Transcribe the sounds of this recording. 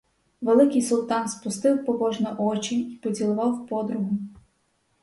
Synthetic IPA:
ʋelˠɪkɪjsʊlˠt̪ɑnspʊst̪ɪwpɔɦɔʒnɛʔɔt͡ʃiipɔdʲilˠʊʋɑwpɔd̪ɾʊɦʊ

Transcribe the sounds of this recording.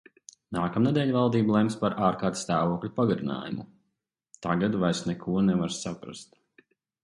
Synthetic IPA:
naːkamnɛd̪ʲɛːlʲvalˠd̪iːblˠɛmspaɾʔaːɾkaːɾt̪ʲst̪aːvuɔklʲupaɡaɾina̰ːjumu | t̪aɡad̪vajɾsnɛkʰuɔnɛvaɾsapɾa̰st̪

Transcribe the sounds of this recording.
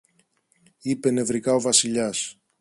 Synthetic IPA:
ipe̞ne̞vɾikɐo̞vɐsiʎɐs

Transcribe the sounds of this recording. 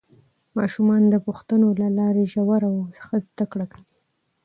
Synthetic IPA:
mɑ̰ʃumɑnd̪əpuxt̪ənolalɑɾeʒawaɾawsə̥xazd̪akɽakawi

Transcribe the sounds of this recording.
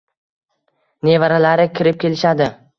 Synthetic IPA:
ne̞vaɾalaɾɪkʲʰɪɾɪp̚kʲʰe̞lɪʃad̪ɪ

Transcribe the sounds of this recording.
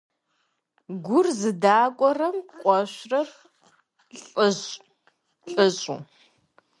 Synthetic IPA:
ɡʷʊrzɨdaːkʷʼɔrɐmqʷʼɔɕrɐr | ɬʼɕ | ɬʼɨɕʼṵː

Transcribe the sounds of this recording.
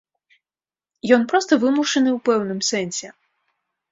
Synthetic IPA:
jɔnpɾɔst̪ɐvɨmuʂɐnɨwpɛwnɨmsɛnʲsʲɛ

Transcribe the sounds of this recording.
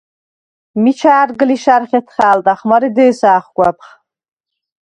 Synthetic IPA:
mit͡ʃʰaːrɡɨliʃarχʲetʰχaːlt̪ʼaχmaɾid̪ɨːsaːχʷkʷʼap̚ʰχ

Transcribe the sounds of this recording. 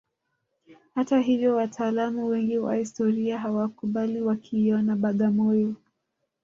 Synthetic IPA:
hataɦivjɔwatʰaːlamuwɛŋɡiwa̰histɔɾiaɦawakuɓaliwakʰiːjɔnaɓaɠamɔjɔ

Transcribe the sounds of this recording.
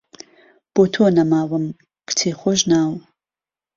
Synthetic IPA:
b̥otʰoːnɐmaːwɐm | kʷtʰeːχʷɔʒnaːw

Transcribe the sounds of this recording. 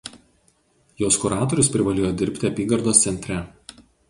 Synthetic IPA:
joːskʊɾɑːt̪oɔɾʲʊspʲɾʲɪʋɐlʲeːjod̪ʲɪɾʲpʲt̪ʲɪɐpʲiːɡɐɾd̪oːssʲɛnʲt̪ʲɾʲɛ

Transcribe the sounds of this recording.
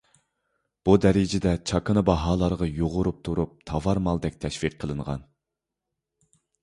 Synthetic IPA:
b̥ud̪ɛɾɪd͡ʒɪd̪ɛt͡ʃʰɑkɨnɨbɑɦɑːlˠɑɾʁɑjoʁʊɾup̚t̪ʰuɾup̚t̪ʰɑvɑɾmɑlˠd̪ɛk̚ʲt̪ʰɛʃfiqʰːəlˠɨnʁɑ̰n

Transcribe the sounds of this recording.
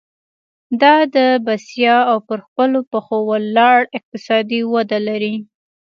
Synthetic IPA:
d̪ɑd̪əbasjɑawpəɾxpəlopəxowalːɑɽɪq̚t̪ɪsɑd̪iwad̪alaɾi

